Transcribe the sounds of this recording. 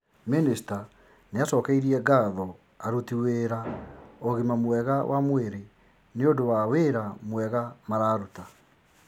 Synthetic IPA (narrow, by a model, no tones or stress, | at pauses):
minista | neasɔːkɛiɾiɛɡaðɔ | aɾutiweːɾaoɣimamwɛɣawʔa̰mweɾe | neodowaweɾamwɛɣamaɾaːɾuta